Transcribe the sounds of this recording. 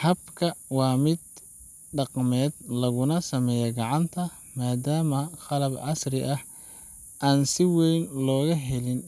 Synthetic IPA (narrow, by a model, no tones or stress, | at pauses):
hɐbkʰɐwɑːmɪd̪̚ | ɖɑqmɛːd̪lɐɣʊnɐsɐmɛːjɐɡɑʕɑnt̪ʰɐ | maːd̪aːmɐqɑlɐbʕɑsrɪʔɐh | ʔaːnsɪwɛjnlɔːɣɐɦɛlɪn